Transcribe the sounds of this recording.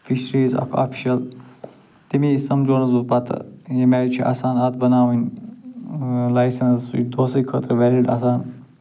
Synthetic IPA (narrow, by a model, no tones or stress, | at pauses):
fiʃɾiːzɐ̰kʰa̰ːpʰi̥ʃɐl | t̪imisɐmd͡ʒoːnɐzupɐt̪ʰjemɛɾit͡ʃʰiʔa̰ːsaːnɐt̪̚ʰbɐnaːʋɐnʲ | lajsɐnsṵd̪oːsəjkʰət̪ɾʋɛliɖaːsaːn